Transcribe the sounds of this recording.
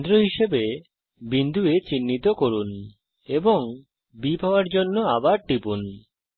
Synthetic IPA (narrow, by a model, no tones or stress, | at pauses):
d̪ɾoɦiʃebe | bind̪uet͡ɕinːit̪okoɾun | ebɔŋ | bipawaɾd͡ʑonːoabaɾʈipun